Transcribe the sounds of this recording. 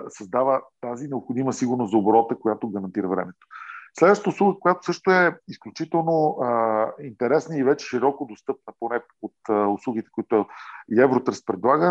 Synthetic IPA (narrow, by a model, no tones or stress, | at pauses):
sɐzd̪avət̪azinɛopxod̪iməsiɡʊɾnoszobɾɔt̪əkojat̪oɡəɾɐnt̪iɾəvɾɛ̰mɛt̪o̥slɛd̪vəʃtət̪oʊslˠuɡəkojat̪o̥sɤʃt̪oɛisklʲut͡ʃit̪ɛlˠno | int̪ɛɾɛsnəivɛt͡ʃɛ̥ʃiɾɔkod̪ost̪ɤp̚nəponɛ | ot̪ʊslˠuɡit̪ɛ̥kʊit̪ʊiɛvɾot̪ɾəst̪̚pɾɛd̪lˠaɡə